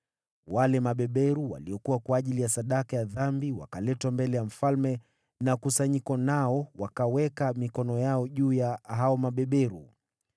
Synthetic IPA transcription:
walɛmaɓɛɓɛɾuwa̰liɔkuwakwaːʄilijasaɗakajaðambiwa̰kalɛtwambɛlɛjam̩falmɛ | nakusaɲikɔnaɔwakawɛkamikɔnɔjaɔʄuːjaɦaɔmaɓɛɓɛɾu

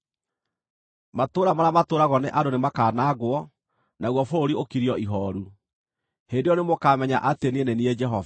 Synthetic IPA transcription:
matoːɾamaɾamatoːɾaɣɔneʔadonemakaːnaɣwɔ | naɣwɔfooɾiokiɾiɔiɦɔɾu | hendejɔnemokaːmɛɲaʔatenieneniɛd͡ʒɛɦɔv

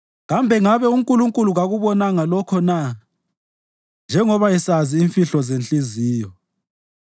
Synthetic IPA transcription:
ɣambʱɛŋaβɛuŋkʼuluŋkʼuluɣaɣuβɔnaŋalɔkʰɔna | nd͡ʒʱɛŋɔβajɛsaziːɱfiɬɔzent͡ɬʼiziːjɔ

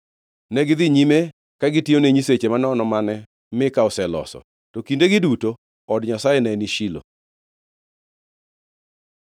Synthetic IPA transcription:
nɛɡɪd̪ɪɲime | kaɡɪtioneɲiset͡ʃemanɔnɔmanɛ | mɪkaɔsɛlɔ̰sɔ̰ | tokindeɡɪduto | ɔdɲasajenɛniʃilo̰

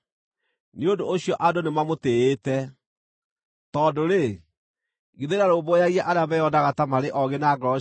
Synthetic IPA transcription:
neondooɕiɔʔadonemamoteetɛ | tɔdoɾe | ɣeðeɾaɾobojaɣiaʔaɾeabɛjɔdaɣatamaɾeʔɔɣenaɡɾɔ

